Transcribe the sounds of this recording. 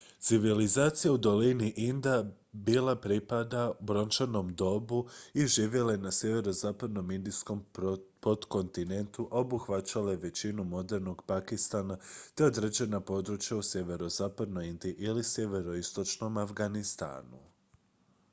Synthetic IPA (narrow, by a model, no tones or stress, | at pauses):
t̪siʋilizaːt̪sijaud̪o̞liniʔind̪a | biːlapɾipad̪aubɾo̞nt͡ʃano̞md̪o̞buiʒiːʋje̞laenasje̞ʋe̞ɾo̞zaːpad̪no̞mind̪isko̞mpo̞d̪ko̞nt̪ine̞nt̪uʔobuxʋat͡ɕalaeʋe̞t͡ɕinumo̞d̪e̞ɾno̞ɡpakist̪aːnat̪e̞od̪ɾed͡ʑe̞napo̞d̪ɾut͡ʃjausje̞ʋe̞ɾo̞zaːpad̪no̞jind̪iiʔilisje̞ʋe̞ɾo̞ist̪o̞t͡ʃno̞mafɡanist̪a̰ːnu